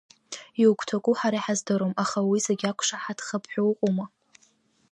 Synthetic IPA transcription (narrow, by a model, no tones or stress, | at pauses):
iwkʷʰʼtʰakʷʼuħaɾaiħazdaɾomaχawiseɡʲakʷʰʂaħadʰχəpʰħʷowqʷʼuma